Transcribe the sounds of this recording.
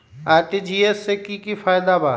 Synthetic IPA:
aːɾʈid͡ʒiːesekikifaːjd̪abaː

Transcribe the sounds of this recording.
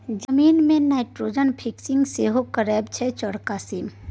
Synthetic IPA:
d͡ʒəmiːnmẽnaɪʈɾod͡ʒənpʰiksĩŋɡseɦokəɾɛːbt͡ʃʰɛt͡ʃɔɽkasim

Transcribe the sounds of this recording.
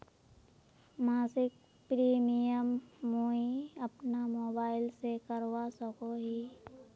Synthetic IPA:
maːsɪk̚ | pɾiːmijəmːoiəpnamoːbaːɪlsekəɾwasəkoɦi

